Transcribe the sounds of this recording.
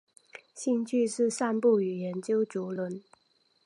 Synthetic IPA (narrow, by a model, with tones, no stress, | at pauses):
ɕi˥˧ŋt͡ɕʰy˥˧ʂɻ̩˥˧ʂa˥˧npu˥˩y˨˩jɛ˧˥nt͡ɕjo˥ʊt͡su˧˥lwə˧˥n